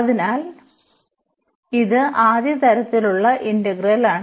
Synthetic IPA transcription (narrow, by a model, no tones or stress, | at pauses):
ɐðinaːl | iðɨʔaːðjɐt̪ɐɾɐt̪ːiluɭːɐʔindɐɡrɐlaːɳ